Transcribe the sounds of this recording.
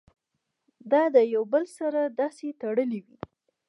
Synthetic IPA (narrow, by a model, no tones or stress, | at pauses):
d̪ɑd̪əjawbəlsaɾad̪ɑset̪aɽəliwi